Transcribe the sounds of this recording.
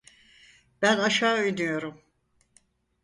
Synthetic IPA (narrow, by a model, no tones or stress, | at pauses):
b̥ænaʃaːøjnyjo̞ɾum